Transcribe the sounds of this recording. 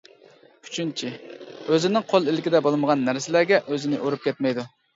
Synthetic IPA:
y̥t͡ʃʰynt͡ʃʰiøzɪnɪŋqʰolˠɪlɪkʲɪd̪ɛbolˠməʁɑnːæɾsɪlæɾɡʲɛʔøzɪnɪʔoɾup̚kʲʰɛt̪mɛjd̪u

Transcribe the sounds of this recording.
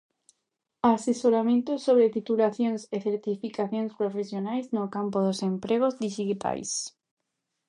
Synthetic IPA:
asesoɾamẽnt̪ʊsoβɾet̪it̪ulaθjoŋseθeɾt̪ifikaθjõŋspɾofesjonajznokampoðosempɾeɣ̞ozðiʃit̪a̰js

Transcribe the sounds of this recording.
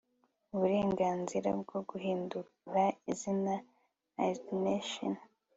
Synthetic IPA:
uβuɾe̞ːŋɡaːnziɾa̰bɡoɡuɦiːndu | ɾaizina | adneʃo̰n

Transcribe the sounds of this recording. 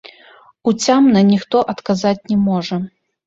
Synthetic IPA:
ut͡sʲamnɐnʲixt̪ɔʔɐt̪kazat͡sʲnʲɛmɔʐɐ

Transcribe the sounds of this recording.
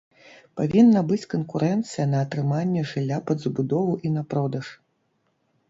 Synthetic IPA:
pavʲinːɐbɨt͡sʲkɐnkuɾɛnt̪sɨjɐnɐːt̪ɾɨmanʲːɛʐɨlʲːapɐd̪zɐbud̪ɔvuʔinɐpɾɔd̪ɐʂ

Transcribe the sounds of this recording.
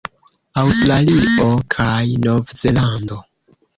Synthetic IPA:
awstɾaliʔokʰajno̞vze̞lando̞

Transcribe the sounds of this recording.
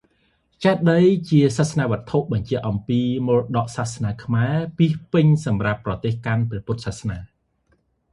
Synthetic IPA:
t͡ɕaɛt̪̚ɗəjt͡ɕiəsasnaːʋə̆ət̪ʰːoʔɓɑɲt͡ɕɛ̆əʔɑmpiːmoːlɗɑʔsasnaːkʰmaɛpiəhpɨɲsɑmrapːrɑt̪eːhkanprɛ̆əpʊt̪̚sahsnaː

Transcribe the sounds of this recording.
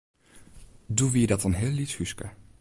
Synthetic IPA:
duʋidɑtɑnɦɪːlːithyskə̰

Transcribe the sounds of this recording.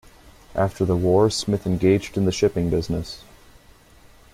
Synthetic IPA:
ʔæftʰə˞ðəwɔɹsmɪθɨ̃nɡeɪd͡ʒdɨ̃n̩ðɨʃɪpɪ̃ŋbɪznɨs

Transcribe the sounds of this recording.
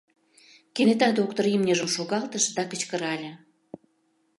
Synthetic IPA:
kenet̪ɑd̪ok̚t̪oɾimnʲeʒə̆mʃoɣɑlt̪əʃd̪ɑkə̆t͡ɕkə̆ɾɑlʲə̆

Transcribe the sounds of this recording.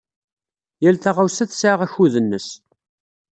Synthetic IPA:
jælθæʁawsæθsʕaʁæçuðənːəs

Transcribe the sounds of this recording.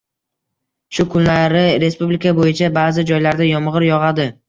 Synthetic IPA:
ʃʊkʰʊnlaɾɪɾe̞spublɪkʰabojɪt͡ʃʰabaːzɪd͡ʒɒjlaɾd̪ajɒmʁɨɾjɒʁɑd̪ɪ

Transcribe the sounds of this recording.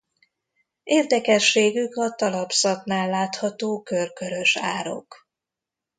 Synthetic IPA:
eːrd̪ɛkɛʃːeːɡykɒt̪ɒlɒpsɒtnaːlːaːt̪hɒt̪oːkø̞rkø̞ɾø̞ʃa̰ːɾo̞̰k

